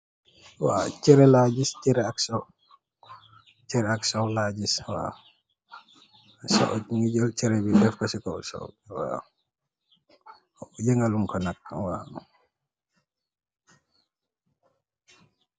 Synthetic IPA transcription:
wa̰t͡ʃɛɾɛlad͡ʒist͡ʃɛɾɛaksɔ | t͡ʃɛɾɛaksɔlaɟiswa̰ | sɔ̰ʔɔŋiɟɔlt͡ʃɛɾɛbidɛfkɔsikɔ̰sɔ̰wa̰ | d͡ʒɛŋɡaluŋkɔnak̚wa̰

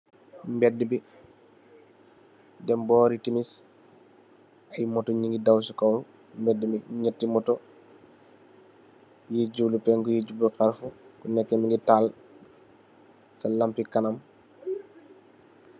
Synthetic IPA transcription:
mbɛdːəbi | dɛmbɔːɾitimis | ajmɔtɔɲiŋɡidawsukowl | mbɛdːəmiɲətːimɔtɔ | jid͡ʒulupɛŋkujiɟubəkaɾfukunɛkːɛmiŋɡital | sɐlampikanɐm

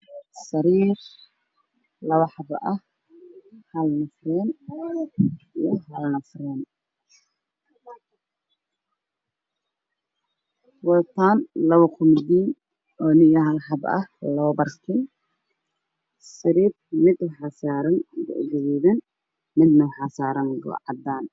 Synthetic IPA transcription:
sɐɾiːr | lɐβɐħɑbɐʔɐh | hɐlɐnɐfrɛːn | ijɔɦɐlɐnɐfrɛːn | wɐt̪ʰaːnlɐβɐkʰʊmd̪iːn | ɔːnɪjɐɦɐlħɑbɐ̰hlɐβɐbɐrkʰɪn | sɪɾiːt̪̚mɪd̪ʊħɑsaːɾɐŋɡʊ̰ɡɛwiːðɛn | mɪd̪nɐwħɑsaːɾɐŋɡɔ̰ʕɑ̰d̪aːn

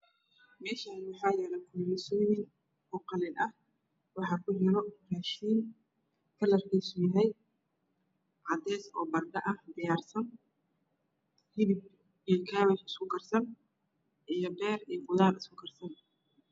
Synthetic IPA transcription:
mɛːʃaːnwɑħɑːjɛːlɛjkʰʊlɛsɔːjɪŋ | ɔqɑlɪnɐh | wɑħɑːkʰʊɦɛɾɔraːʃiːŋ | kʰɐlɐrkʰɛjsʊjɐɦɛj | ʕɑd̪ɛːsɔ̰ːbɐrɡɐʔɐhd̪ɪjaːrsɐn | hɪðɪb̚ | ijɔkʰaːβɛħɪskʰʊkʰɐrsɐn | ʔijɞbɛːrijɔqʊðaːɾɪskʰʊkʰɐrsɐn

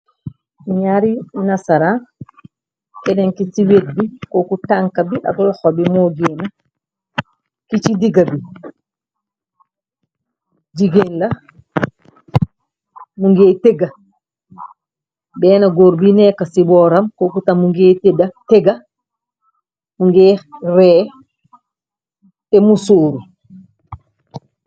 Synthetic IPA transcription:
ɲaɾinɐsɐɾan | kɛneŋkisiwet̚bikokutaŋkɐbiʔɐ̰klɔxobimɔːɡeːnɐ | kit͡ʃidiɡɐbi | d͡ʒiɡenlɐ | muŋɡeːteɡɐ | bɛːnɐɡoɾbinɛkɐsibɔːɾɐmkokutɐmːuŋɡeːtedɐteɡɐ | muŋɡeːrɛː | tɛmusoːɾu

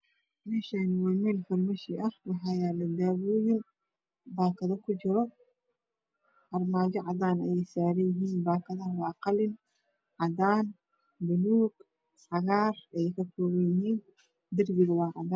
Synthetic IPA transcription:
mɛːʃaːnɪwɐmɛːlfɐlmɐʃɪʔɐhwɑħɑjaːlɐd̪aːwɔːjɪn | baːkʰɐðɐkʰʊt͡ʃɪɾɔ | ɑrmaːd͡ʒɔʕɑðaːnɐjɛjsaːɾɐjɪɦiːnbaːkʰɐðɐwɑːqɑlɪn | ʕɑðaːn | bʊluːɡ | sɐɣaːrɛjkʰɐkʰɔːwɐjɪɦiːn | d̪ɪrbɪɣɐwɑːʕɑ̰daː

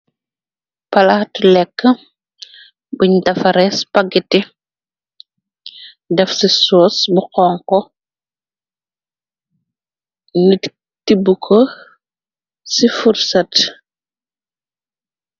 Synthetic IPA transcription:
pɐlatlɛkːə | buɲtɐfɐɾɛspaɡiti | dɛfsisɔːsbuqɔːŋkɔ | ŋit | tibukʰo | sifursat

